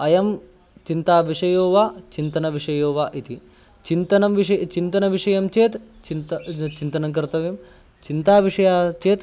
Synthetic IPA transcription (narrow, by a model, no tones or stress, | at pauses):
ɐjɐm | t͡ʃint̪aːʋiʂɐjoːʋaːt͡ʃint̪ɐnɐʋiʂɐjoːʋaːʔit̪i | t͡ʃint̪ɐnɐmʋiʂɐt͡ʃint̪ɐnɐʋiʂɐjɐmt͡ʃeːt̪t͡ʃint̪t͡ʃint̪ɐnɐŋk̬ɐɾt̪ɐʋeːm | t͡ʃint̪aːʋiʂɐjaːt͡ʃeːt̪